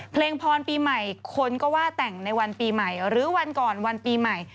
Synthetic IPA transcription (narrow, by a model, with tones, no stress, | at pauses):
pʰleː˧ŋpʰɔː˧npiː˧ma˨˩jkʰo˧nkɔː˥˩waː˥˩t̪ɛ˨˩ŋna˧jwa˧npiː˧ma˨˩jɾɯː˨˦wa˧nkɔː˨˩nwa˧npiː˧ma˨˩j